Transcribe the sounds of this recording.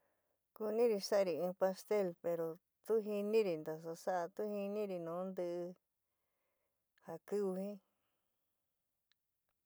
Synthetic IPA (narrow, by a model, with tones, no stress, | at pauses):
ku˧nĩ˦ɾi˧sa˦˧ɾi˨ĩː˧pa˧st̪e˦˨lpe˧ɾo˨ | t̪u˦ɦi˧nĩ˦ɾi˧˨nd̪a˨s̬a˧sa˦ʔa˧t̪u˦hi˧nĩ˦ɾi˧nũː˨˦nd̪ɨ˧ʔɨ˧ | ha˨kɨ˦u˧hĩ˦